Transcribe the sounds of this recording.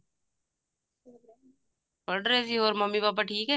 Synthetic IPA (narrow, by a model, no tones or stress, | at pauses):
bəɽɾeːsiɦoːɾməmːibaːp̬aːʈʰiːkɦɛː